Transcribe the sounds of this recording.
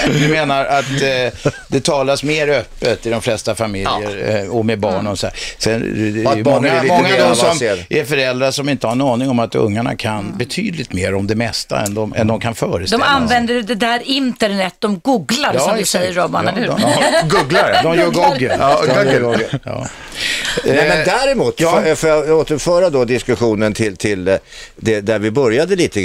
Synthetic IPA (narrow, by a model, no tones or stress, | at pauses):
d̪ɵmeːnaɾat̪ | d̪ɛt̪ʰɑːlasmeːɾœpːət̪ɪd̪ɔmflɛst̪afamɪljəɾɔmɛbɑːɳɔsɔd̪æ̰ːsɛnɛjmɔŋːamɔŋːad̪ɔssɔmʔɛɾfœɾɛld̪ɾaʂɔmɪnt̪əhaɳɑːnɪŋɔmat̪ɵ̰ŋːaɳa̰kʰanbɛt̪ʰy̰ːd̪lɪt̪meːɾɔmd̪ɛmɛst̪a̰ɛ̰nd̪ɔmɛ̰nd̪ɔmkʰanfœːɾəsd̪ɔɛmanvɛnd̪əjd̪ɛd̪æɾɪnt̪əɳɛt̪̚ːd̪ɔmɡuːɡlaɾsɔmd̪sɛjːəːɔːbanɛɾhʉːɡuɡlaɾd̪ɔmjœːɡɔɡə | jɑ̰ː | ɛmɛnd̪æɾɛmuːt̪ːfoːjaoːt̪əɾfœːɾad̪ɔd̪ɪskɵɧuːnənt̪ʰɪlt̪ʰɪld̪ɛd̪æɾvɪbœɾjad̪əliːt̪ə